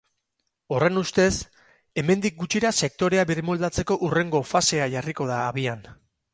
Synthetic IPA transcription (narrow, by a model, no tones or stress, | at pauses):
o̞re̞nust̪e̞s | e̞me̞nd̪ik̚ɡut͡ʃiɾase̞k̚t̪o̞ɾe̞aβiɾrmold̪at͡se̞ko̞ʔure̞ŋɡo̞fase̞aʝariko̞ð̞aːβian